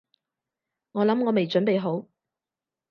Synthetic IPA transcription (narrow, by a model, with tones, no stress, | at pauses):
ŋɔː˨˧lɐ˨˥mŋɔː˨˧me˨jt͡ʃɵ˨˥npe˨jɦo˨˥w